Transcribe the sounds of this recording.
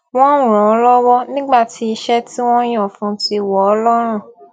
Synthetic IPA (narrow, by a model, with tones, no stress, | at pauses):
w̃ɔ̃˦ũ˦˨ɾ̃ɔ̃˨ɔ˧˦lɔ˦wɔ˦nĩ˦ɡ͡ba˦˨ti˨˦i˧ʃɛ˦ti˦w̃ɔ̃˦j̃ɔ̃˦˨fũ˨˦ti˧wɔ˨ɔ˧˦lɔ˦ɾ̃ũ˦˨